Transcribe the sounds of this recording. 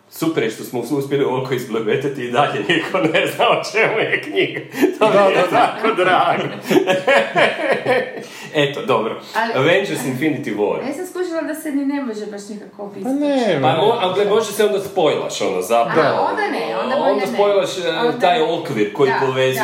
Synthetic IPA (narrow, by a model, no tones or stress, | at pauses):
supeɾjeʃt̪o̞smoususpjelioʋakoizblebet̪at̪iːd̪aʎenikʰoneznaot͡ʃemujekɲiɡat̪omt̪akod̪ɾaːɡo | et̪od̪o̞bɾoaʋend͡ʒeɾsinfinit̪iʋo̰ɾnesamskˠuʃilad̪asenineboʒebaʃnikakopineaoalɡlemo̞ʒeʃd̪aseo̞nd̪aspo̞jlˠa̰ʃo̞no̰zapɾaʋond̪anenond̪aspo̞jlˠaʃt̪aːjokʋiɾko̞jipoʋez